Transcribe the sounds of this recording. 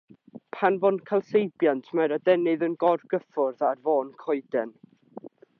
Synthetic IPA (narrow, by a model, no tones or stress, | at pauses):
pʰanvɔnkʰalˠsejbjantʰmaɾadɛnɨðənɡɔrɡəfʊrðarvoːnkʰɔɨdɛn